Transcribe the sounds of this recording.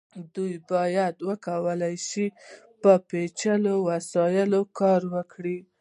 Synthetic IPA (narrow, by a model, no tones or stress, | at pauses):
d̪ujbɑjad̪wəkawəlajʃi | pəpet͡ʃəlowasɑjɪlokɑɾwəkɽi